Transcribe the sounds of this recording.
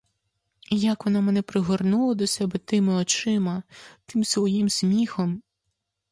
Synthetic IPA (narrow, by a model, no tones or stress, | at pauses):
jɐkʋɔnɑmɛnɛpɾɪɦɔrnulˠɐd̪ɔsɛbɛt̪ɪmɪɔt͡ʃɪmɐt̪ɪmsʋɔjimsʲmʲixɔm